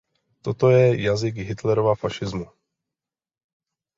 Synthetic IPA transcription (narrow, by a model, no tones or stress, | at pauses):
t̪ot̪o̞jɛjazɪɡɦɪt̪lɛɾovafaʃɪzmu